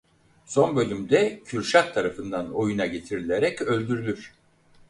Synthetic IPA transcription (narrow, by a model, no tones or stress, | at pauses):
so̞nbø̞lʲymd̪ɛcʰyɾʃak̚t̪ʰaɾafɯnd̪ano̞junaɟe̞t̪ʰiɾilʲe̞ɾɛcø̞lʲd̪yɾylʲyɾ̥